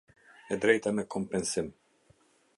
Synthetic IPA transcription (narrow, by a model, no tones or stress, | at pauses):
ɛd̪ɾɛjt̪amɛkʰɔmpɛnsɪm